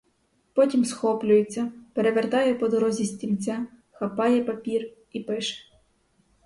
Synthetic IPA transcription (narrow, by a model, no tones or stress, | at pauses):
pɔtʲimsxɔplʲʊjet͡sʲːɐpeɾeʋert̪ɑjɛpɔd̪ɔɾɔzʲisʲtʲimʲt͡sʲa | xɐpɑjɛpɐpʲir | ipɪʃɛ̥